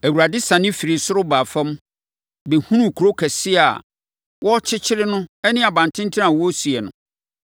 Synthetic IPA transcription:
æ˨wu˨ɾa˨dɪ˦sã˨nɪ̃˦fi˨ɾɪ˨sʊ˦ɾʊ˦baː˨fɛ̃˦m˦ | be˨hũ˦nũ˦kʰu˨ɾo˦kʰɛ˨sɪ˦a̰˨ | wɔ˦t͡ɕʰɪ˦t͡ɕʰɪ˦ɾɪ˦nʊ̃˦ɛ˦nɪ̃˦a˨bã˨ntʰɪ̃˦n˦tʰɪ˦ã˨wɔ˦si˨ɛ˨nʊ̰̃˨

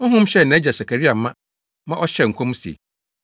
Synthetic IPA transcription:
ŋ̩˦ɦʊ̃˦m˦ɕɛ˦˨nã˨˦æ˦d͡ʑɛ˨sa˨kʰa˨ɾi˦a˨m̩˦mã˦ | mã˦ʔɔ˦ɕɛ˦˨ŋ̩˨kʰõ˦m˦si˨ḛ˨

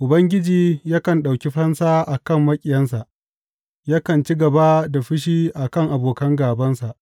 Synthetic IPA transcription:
ʔʊ˨bɐ˦ŋɡʲɪ˦d͡ʒiː˨jaː˦kɐ˨nɗa˨wkʲi˦ɸɐ˦nsaː˦ʔa˨kɐ˦mːɐ˦kʲʼɪ˨jɐ˦nsa˨ʔ | jaː˦kɐ˨nt͡ʃi˦ɡɐ˨ba˦da˨ɸɪ˦ʃ̬iː˦ʔa˨kɐ˦˨ŋʔa˨boː˨kɐ˦ŋɡaː˨bɐ˦nsa˨ʔ

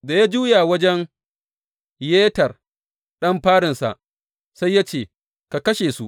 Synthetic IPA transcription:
da˨ja˦d͡ʒuː˦jaː˨wɐ˦d͡ʒɛ˦ŋ | jeː˦tɐ˨r | ɗɐ˦mɸaː˦ɽɪ˨nsa̰˨ʔ | sa˦jːaː˦t͡ʃeː˦˨ | ka˨kɐ˦ʃeː˨su˦ʔ

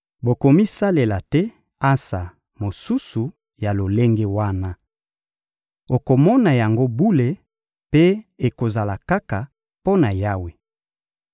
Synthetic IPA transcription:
bo˨ko˨mi˦sa˦le˨la˨tɛ˦ | a˦sa˨ | mo˨su˦su˨ | ja˨lo˨le˦ŋɡe˦wa˦na˦ | o˨ko˨mɔ˦na˨ja˨ŋɡo˦bu˦le˨ | pe˦e˨ko˨za˨la˨ka˦ka˨ | po˦na˨ja˦we˦

